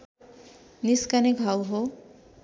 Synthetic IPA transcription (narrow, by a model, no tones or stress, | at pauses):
niskaneɡʱawɦo